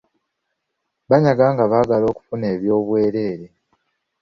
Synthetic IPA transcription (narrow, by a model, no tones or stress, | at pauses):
βaɲaɡaːŋɡaβaːɡalo̞ːku̥fune̞ːβjo̞ːβwe̞ːɾe̞ːɾe